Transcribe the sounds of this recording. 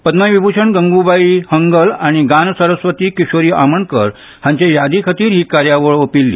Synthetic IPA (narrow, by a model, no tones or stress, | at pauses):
pəd̪najʋibʱut͡ɕʰəɳɡəŋɡubaihəŋɡəlaɽ̃iɡansəɾəsʋət̪iːkiɕoɾiːa̰məɳkəɾ | hãɲt͡ɕajad̪ʱikʰət̪iːɾɦiːkaɾjaʋəɭopilːḭː